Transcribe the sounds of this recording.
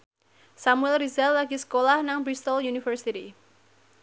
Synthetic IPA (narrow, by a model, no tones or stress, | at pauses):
samuɛlrizɛlːaɡisə̥kolahnaŋbɾist̪ɔljunifərsiti